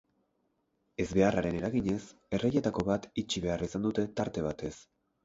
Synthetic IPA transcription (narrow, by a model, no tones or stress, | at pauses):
e̞zβe̞araɾe̞ne̞ɾaɣiɲe̞se̞reje̞t̪ako̞βat̪it͡ʃiβe̞arisand̪ut̪e̞t̪aɾt̪e̞β̞at̪e̞s